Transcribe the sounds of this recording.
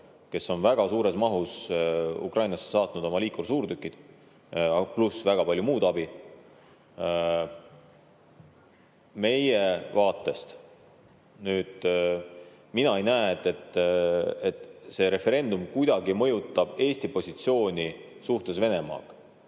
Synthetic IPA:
ke̞sːo̞nvæɡ̥ɑsuːɾe̞smɑɦusṵkrʔɑjnɑse̥sɑːt̪nud̪̥o̞mɑliːkorsuːrt̪ykːˑid̪̥ | plusvæɡ̥ɑpɑlʲjumuːd̪̥ɑb̥i | me̞je̞vɑːt̪ːˑe̞st̪ | nyːd̪̥ | minɑe̞jnæeet̪ːˑe̞t̪ː | et̪se̞ɾe̞fe̞ɾe̞nd̪̥umkujd̪̥ɑɡ̥imɤ̞jut̪ːˑɑb̥e̞ːsʲt̪ipo̞sʲit̪sio̞ːnʲi | suht̪e̞sve̞ne̞mɑ̰ːk

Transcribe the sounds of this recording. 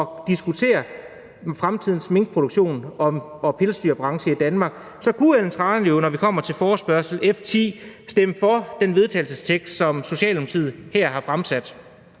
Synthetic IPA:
ɒ̽d̥isɡ̥ut͡sʰe̝̰ːɐ | fʁamt͡sʰið̞̰ˠn̩sme̝ŋɡ̥̚pʰʁod̥ɾoɡ̥ɕo̝̰ːnɒ̽ɒ̽pʰe̝lsd̥y̰ːɐb̥ʁɑ̈ŋɕəid̥ænmɑ̈ːɡ̥ | sɒ̽kʰueln̩t͡sʰʁɑ̈ːnjo̝nɒʋikʰɒ̽m̰ɐt͡sʰe̝lfɒːsb̥ɶɐ̰sl̩eft͡sʰḭːsd̥eməfɒ̽d̥enʋe̝ð̞ˠt͡sʰɛ̰ːlsəst͡sʰeɡ̥sd̥sɒ̽mso̝ɕɛ̰ːlɒ̽mt͡sʰið̰ˠhæɐ̰ɦɑ̈fʁamsæd̥

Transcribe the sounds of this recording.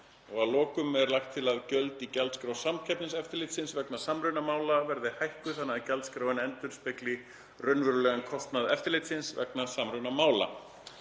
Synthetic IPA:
ɔɣaðlɔːkʏmɛɾlajxt̪ʰːɪlaðcœlt̪icɛlt̪skɾawsamcʰɛpnɪnsɛft̪ɪɾlɪt̪sɪnsvɛknasamɾʏnamaːwlavɛɾðɪhajhkʏθanːacɛlt̪skɾaːwɪnɛnt̪ʏɾ̥spɪklɪ | rœnːvʏɾʏlɛɣankʰɔst̪naðɛft̪ɪɾlɪːt̪sɪnsvɛ̰knasamɾʏnamaːwla̰

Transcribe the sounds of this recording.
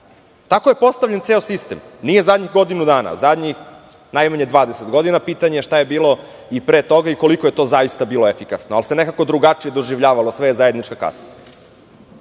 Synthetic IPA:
t̪akoje̞po̞st̪aʋʎent̪seosist̪emnije̞zad̪ɲiɣɡo̞d̪inud̪aːna̰zad̪ɲix | najmaɲe̞d̪ʋaːd̪eset̪ɡo̞d̪inapiːt̪aɲejʃt̪ajebiːlo̞ | ipɾeːt̪o̞ɡaiko̞likoje̞t̪o̞ːzajist̪abiːlo̞efikasnoalse̞nekako̞d̪ɾuɡat͡ʂije̞d̪o̞ʒiʋʎaːʋalosʋejezajed̪nit͡ʃkaka̰sḁ

